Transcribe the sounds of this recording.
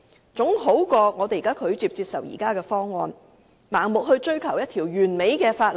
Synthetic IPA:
t͡sʊ˨˥ŋɦo˨˥wkɔː˧ŋɔː˨˧t̪e˨jkaː˥kʰɵ˨˧˥ɥt͡siː˧p̚t͡siː˧p̚sɐ˨˩wjḭː˨˩kaː˥kɛː˧fɔː˥ŋːɔː˧n | maː˨˩ŋmʊ˨k̚ɦɵ˧ɥt͡ʃɵ˥ɥkʰɐ˨˩wjɐ˥t̪ʰiː˨˩wjyː˨˩nme˨˧jkɛː˧faː˧t̚

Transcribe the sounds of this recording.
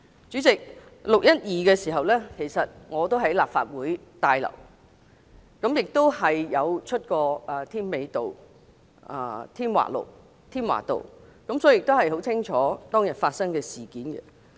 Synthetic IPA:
t͡ʃyː˨˥t͡sɪ˨k̚lʊ˨k̚jɐ˥t̚jiː˨kɛː˧siː˨˩ɦɐ˨wlɛː˥kʰe˨˩jsɐ˨t̚ŋɔː˨˧t̪o˥wɦɐ˨˥jlaː˨p̚fa̰ː˧t̚wuː˨˥jt̪aː˧jlɐ̰˨˩w | kɐ˨˥mjɪ˨k̚t̪o˥whɐ˨jjɐ˨˧wt͡ʃʰɵ˥t̚kɔː˧ɐ˨t̪ʰiː˥nme˨˧jt̪o˨w | ʔaː˧t̪ʰiː˥nwa̰ː˨˩lo̰˨˩w | t̪ʰiː˥nwa̰ː˨˩t̪o̰˨wkɐ˨˧˥msɔ˨˥˨jɪ˨k̚t̪o˥whɐ˨jɦo˨˥wt͡sʰɪ˥ŋt͡ʃʰɔː˨˥t̪ɔː˥ŋjɐ˨˩nfaː˧t̚sɐ˥ŋkɛː˧siː˨˩kiː˨˥nɡɛ̰˧

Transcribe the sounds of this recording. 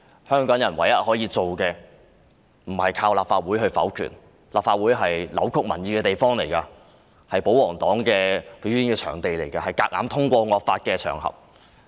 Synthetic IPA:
hœː˥ŋkɔː˨˥ŋjɐ˨˩nwɐ˨˩jjɐ˥t̚hɔː˨˥jiː˨˧t͡so˨wkɛː˧ | m̩˨˩hɐ˨jkʰaː˧wlaː˨pfaː˧t̚wuː˨˥jɦɵ˧fɐ̰˨˥wkʰy̰ː˨˩n | laː˨p̚faː˧t̚wuː˨˥jɦɐ˨jlɐ˨˥wkʰʊ˥k̚mɐ̰˨˩njiː˨˧kɛː˧t̪e˨jfɔː˥ŋle˨˩jkɐ˧ | hɐ˨jpo˨˥wɔː˨˩ŋt̪ɔː˨˥ŋkɛː˧pe˨˧˥ɥy˧˥nkɛː˧t͡ʃʰœ̰ː˨˩ŋt̪e˨jle˨˩jkɐ˧hɐ˨jkaː˧k̚ŋaː˨˥mt̪ʰʊ˥ŋkʷɔː˧ŋɔː˨˧k̚faː˧t̚kɛː˧t͡ʃʰœː˨˩ŋhɐ̰˨p̚

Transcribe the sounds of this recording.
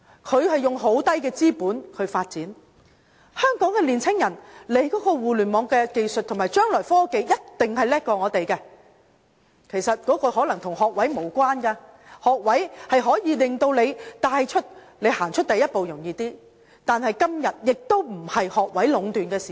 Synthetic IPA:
kʰɵ˨˧ɥhɐ˨jːʊ˨ŋɦo˨˥wt̪ɐ˥jkɛː˧t͡siː˥puː˨˥nkʰɵ˨˧ɥfaː˧t̚t͡siː˨˥n | hœː˥ŋkɔː˨˥ŋkɛː˧liː˨˩nt͡sʰɪ˥ŋjɐ˨˩nle˨˥jkɔː˨˥kɔː˧wuː˨lyː˨˩nmɔː˨˧ŋkɛː˧ke˧jsɵ˨t̪̚ʰʊ˨˩ŋmaː˨˩jt͡ʃœː˥ŋlɔː˨˩jfɔː˥ke˨˧jjɐ˥t̚t̪ɪ˨ŋɦɐ˨jlɛː˥k̚kːɔː˧ŋɔː˨˧t̪e˨jkɛː˧ | kʰe˨˩jsɐ˨t̚kɔː˨˥kɔː˧hɔː˨˥lɐ˨˩ŋt̪ʰʊ˨˩ŋɦɔː˨k̚wɐ˨˥jmo˨˩wkʷwaː˥nkɐː˧ | hɔː˨k̚wɐ˨˥jhɐ˨jɦɔː˨˥jiː˨˧lɪ˨ŋt̪o˧wle˨˧jt̪aː˧jt͡ʃʰɵ˥t̚ | le˨˧jhaː˨˩ŋt͡ʃʰɵ˥t̚t̪ɐ˨jːɐ˥t̚po˨wjʊ˨˩ŋjiː˨˧t̪iː˥ | t̪aː˨nhɐ˨jkɐ˥mjɐ˨t̚jɪ˨k̚t̪o˥wm̩˨˩hɐ˨jhɔː˨k̚wɐ˨˥jlʊ˨˧ŋt̪yː˨nkɛː˧si˨

